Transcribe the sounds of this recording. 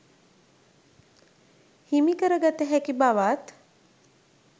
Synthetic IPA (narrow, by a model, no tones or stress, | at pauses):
himikəɾəɡat̪əɦækibaʋaːt̪